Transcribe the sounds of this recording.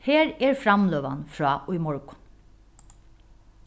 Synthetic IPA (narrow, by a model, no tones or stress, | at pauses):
heːɹɛɹfɾamløːʋa̰nfɹɑːʔʊjmɔɹkʊ̥n